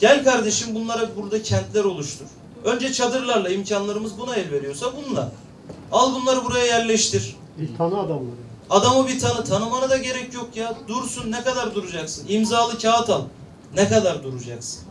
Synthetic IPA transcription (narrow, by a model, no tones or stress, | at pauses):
ɟælʲkʰaɾd̪e̞ʃɯmbunlˠaɾabuɾd̪acʰɛnt̪lʲæɾo̞lˠuʃt̪ʰuɾ̥ | ø̞nd͡ʒɛt͡ʃʰad̪ɯɾlˠaɾlˠaimcʰanlˠaɾɯmɯzbunaɛlʲve̞ɾijo̞sabunlˠa̰ɾ | alˠbunlˠaɾɯbuɾajajæɾlʲɛʃt̪ʰiɾ̥ | bit̪ʰanɯad̪amlˠa | ad̪amɯbit̪ʰanɯt̪ʰanɯmanɯd̪aɟe̞ɾɛcjo̞kjad̪uɾsunːɛkad̪aɾd̪uɾud͡ʒaksɯnimzaːlˠɯcʰaːt̪ʰalˠ | nɛkad̪aɾd̪uɾud͡ʒaksɯ̥n